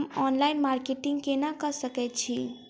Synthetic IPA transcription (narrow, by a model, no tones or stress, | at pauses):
mɔnlainmaɾkeʈiŋɡkenakəsəkɛt̪̚t͡ʃʰi